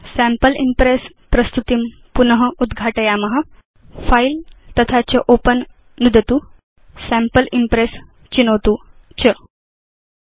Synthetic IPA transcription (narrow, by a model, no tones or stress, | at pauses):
sæ̃mpəlimpɾes | pɾəst̪ut̪im | punəɦəud̪ɡʱaʈəjamɐɦə | failt̪ət̪ʰat͡ɕəʔopənː | ud̪ʱət̪u | sæ̃mpəlimpɾes | t͡ɕinəwt̪u | t͡ɕə